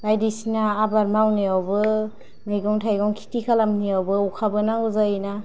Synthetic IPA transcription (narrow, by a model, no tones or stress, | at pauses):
bajdisinaːbaɾmawniawbɯ | mejɡɔŋtʰajɡɔŋkʰi̥tikʰalamniawbɯukʰabɯnaɡuzajina